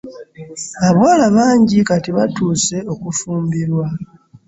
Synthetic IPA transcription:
aβwaːlaβaːɲɟikatiβatuːse̞o̞kufuːmbiɾwa

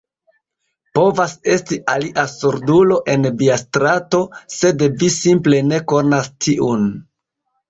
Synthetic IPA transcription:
po̞vase̞stiʔaliʔasuɾdulo̞ʔe̞nbiastɾato̞se̞dvisimple̞ne̞ko̞nastʰiʔun

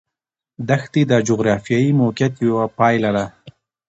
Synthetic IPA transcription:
d̪axt̪id̪ad͡ʒoɣɾɑfijɑjimokat̪jwapɑjlaɽa

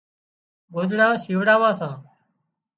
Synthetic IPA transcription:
ɡozɽaːsiːʋɽaːʋãːsãː

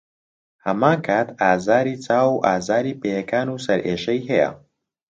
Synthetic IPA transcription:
hɐmaːnkʰaːt̪ʰaːzaːɾiːt͡saːwuʔaːzaːɾiːpeːjekʰaːnuːsɐɾʔeːʃɐjɦɛjɐ̰

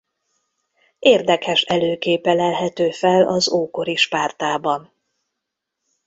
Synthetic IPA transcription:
ʔeːrd̪ɛkhɛʃɛløːkeːpɛlɛlɦɛt̪øːfɛlɒzoːko̞ɾiʃpaːrt̪aːbɒn

